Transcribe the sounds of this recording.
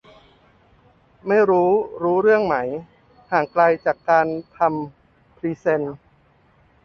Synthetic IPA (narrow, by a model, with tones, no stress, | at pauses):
ma˥˩jɾuː˦˥ɾuː˦˥ɾɯ˥˩əŋma˩˦j | haː˨˩ŋkla˧jt͡ɕaː˨˩kːaː˧nt̪ʰa˧m | pʰɾiː˧se˧n